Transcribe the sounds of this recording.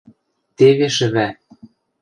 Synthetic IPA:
t̪eβeʃɘ̆βæ

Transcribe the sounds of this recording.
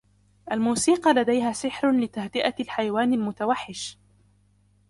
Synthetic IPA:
ʔalmuːsiːqɑlad̪ajɦaːsɪħɾlɪt̪ahd̪ɪʔalħajawaːnalmʊt̪awaħːɪʃ

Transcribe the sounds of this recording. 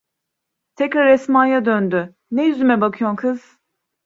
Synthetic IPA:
t̪ʰɛcɾaɾɛsmaːjad̪ønd̪y | nɛjyzymɛbakʰɯjomkʰɯz̥

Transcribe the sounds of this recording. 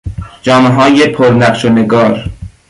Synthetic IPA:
d͡ʒɒːmeɦɒːjepʰoɾnæqʃoneɡɒːɾ

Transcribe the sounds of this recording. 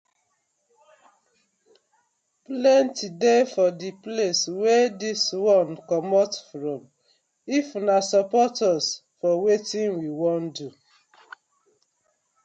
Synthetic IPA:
plɛ̃ntidefɔdipleswediswɔ̃nkɔmɔtfɹɔ̃m | ifunasɔpɔtɔs | fɔwetĩnwiwɔ̃ndu

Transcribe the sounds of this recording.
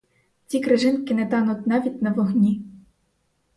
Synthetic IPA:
tʲikɾɪʒɪnkɪnɛt̪ɑnutʲnaʋʲit̚ʲnɐʋɔɣnʲi

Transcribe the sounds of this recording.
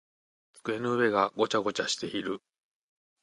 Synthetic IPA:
t͡sɨ̥kɯ̟e̞nɯɯ̟βe̞ɡaɡo̞t͡ɕaɡo̞t͡ɕaɕi̥t̪e̞iɾɯ̟

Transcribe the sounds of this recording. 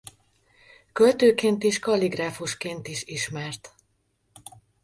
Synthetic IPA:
kølt̪øːkeːnt̪iʃkɒliɡraːfuʃkeːnt̪iʃiʃmɛrt̪

